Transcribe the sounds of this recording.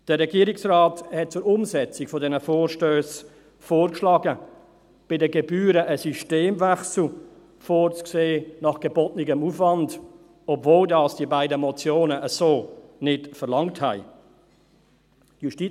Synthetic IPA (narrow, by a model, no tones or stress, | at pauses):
d̥əʁɛɡiːɾɪksraːthɛt̚t͡sʊɾʊmzɛt͡sɪkfɔdɛnəfoːrʃtøːs | foːrkʃlɑːɡə | b̥ɪdəɡɛbyːɾəʔəsyʃteːmvæχsl̩ | foːrt͡skseːnɑχɡ̥əbɔtnɪɡəmufvɑnd | ɔbvoːldɑːsd̥iəbaɪdəmɔt͡sjoːnəʔəsoːnɪtfərlɑŋthæɪ | juʃti